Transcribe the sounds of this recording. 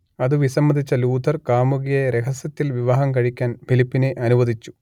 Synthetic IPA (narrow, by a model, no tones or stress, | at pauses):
ɐðɨʋisɐmːɐd̪ʱit͡ɕːɐluːd̪ʱɐrkaːmuɣijɐjɾe̞ɦɐsjɐt̪ːilʋiʋaːɦɐmkɐɻikʲːaːnbʰʱilipːineʔɐnuʋɐd̪it͡ɕːu̥